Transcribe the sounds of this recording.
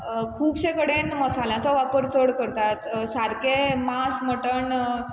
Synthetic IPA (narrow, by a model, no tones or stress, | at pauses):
kʰuːbɕẽkəɽenməsaljãt͡sɔʋapəɾt͡səɽkəɾt̪at̪saɾkemasməʈəɳ